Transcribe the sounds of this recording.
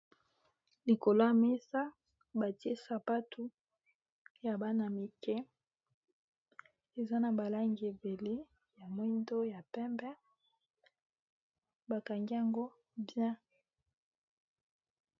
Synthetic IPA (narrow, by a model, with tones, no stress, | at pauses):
li˨ko˨lo˦a˨me˦sa˦ | ba˨ti˦e˦sa˨pa˦tʰu˦ | ja˨ba˦na˨mi˨kɛ˦ | e˨za˦na˨ba˨la˦ŋɡi˨e˨be˨le˦ | ja˨mo˦i˦ndo˦ja˨pɛ˦mbɛ˦ | ba˨ka˨ŋɡi˦a˨ŋɡo˦ | bjɛ̃˦